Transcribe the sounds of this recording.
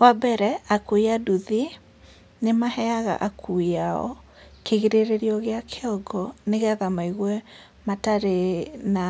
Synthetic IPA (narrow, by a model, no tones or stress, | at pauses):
wabɛɾɛakuiaduði | nemahɛaɣa̰ʔakʰuaɔ̰ | keɣiɾeɾeɾiɔɣeakʰeɔɡɔneɣɛðamaiɣwɛ | mataɾena